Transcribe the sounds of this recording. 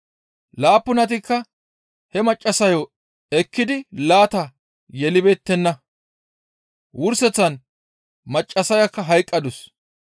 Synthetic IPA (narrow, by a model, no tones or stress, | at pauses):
laːpːʊnɐt̪̬ɪkːɐ | hɛmɐt͡ʃʼːɐsɐjo | ɛkːɪd̪ɪlaːt̪ɐ | jɛlɪbe̞ːt̪ːɛnːɐ | wʊɾsɛt͡sːɐn | mɐt͡ʃʼːɐsɐjɐkːɐɦɐjkʼːɐd̪ʊs